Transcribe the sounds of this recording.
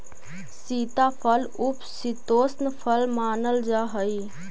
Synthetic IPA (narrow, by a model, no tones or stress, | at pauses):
siːt̪apʰəlʊpsit̪oːsnpʰəlmaːnəld͡ʒaːɦəi